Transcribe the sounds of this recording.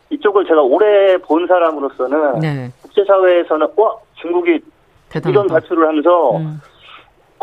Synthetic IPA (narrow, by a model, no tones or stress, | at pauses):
it͡ɕ͈oɡɯɭt͡ɕe̞ɡaoɾe̞poɯnsʰaɾamɯɾos͈ʌnɯnkuk̚t͡ɕ͈e̞sʰawe̞ːsʰʌnɯnwʌt͡ɕuŋɡuɡi | iɾʌnpaɭpʰjuɾɯɭhamjʌnsʰʌ